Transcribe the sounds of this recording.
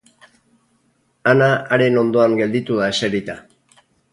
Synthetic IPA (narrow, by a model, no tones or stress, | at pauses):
anaːɾe̞no̞nd̪o̞aŋɡe̞ld̪it̪uðaeseɾit̪a